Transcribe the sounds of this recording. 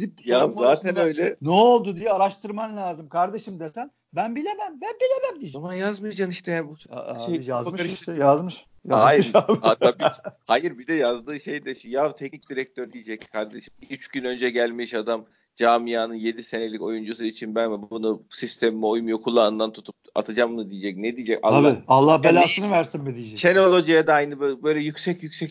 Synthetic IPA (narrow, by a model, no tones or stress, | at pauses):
ipjazzaːt̪ʰænøjlʲɛnɛolˠd̪ud̪ijɛaɾaʃt̪ʰɯɾmanlʲaːzɯmkʰaɾd̪eʃɯmd̪et̪ʰæn | bænbilʲemæmbænbilʲemæmd̪imanjazmɯjjad͡ʒaniʃt̪ʰɛjænbuʃejjazmʃɾʃjazmɯʃ | jaajmaːhat̪aːbihajɯɾbid̪ɛjazd̪ɯːʃejd̪ɛʃijat̪ʰɛcnic̚d̪iɾɛc̚t̪ʰøɾd̪ijed͡ʒɛckʰaɾd̪eʃɯmyt͡ʃɟynø̞nd͡ʒɛɟælʲmiʃad̪am | d͡ʒaːmijaːnɯnje̞d̪ise̞ne̞lʲico̞jund͡ʒus̬uit͡ʃʰinbænvɛbuunusist̪ʰemimɛo̞jumjokʰulˠːaːɯnd̪ant̪ʰut̪ʰup̚a̰t̪ʰɯd͡ʒamnɯd̪ijed͡ʒɛc̚nɛd̪ijid͡ʒɛca̰lˠalˠːahbelaːsɯnvæɾsinbid̪ijd͡ʒɛt͡ʃeno̞lˠo̞d͡ʒijad̪aajnɯbøbø̞jlʲɛjycsɛcjycʲsɛc